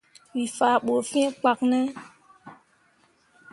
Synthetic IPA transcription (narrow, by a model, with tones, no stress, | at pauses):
wi˨fa˨ɓo˨fĩ˦e˦k͡pa˨k̚nɛ˦